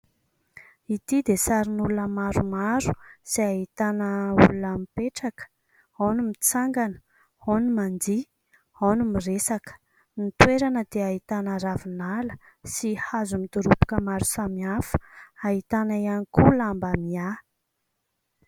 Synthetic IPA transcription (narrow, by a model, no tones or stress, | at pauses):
it̪id̪esaɾinulunəmaɾumaɾusiaɦit̪anəṵlunamipeʈ͡ʂakə̥ | anumit͡saŋɡanə̥ | onumand̪i | onumiresakə̥ | mit̪weɾanəd̪̥eaɦit̪anəɾavinalə | sihazumit̪uɾupu̥kəmaɾusamiafə̥aɦit̪anaianikulambamia